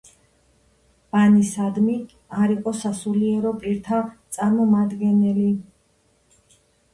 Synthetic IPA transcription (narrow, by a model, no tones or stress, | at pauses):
b̥anisad̪mi | aɾiqʼɔsasuliɛɾɔpʼiɾt̪ʰat̪sʼaɾmɔmad̪ɡɛnɛli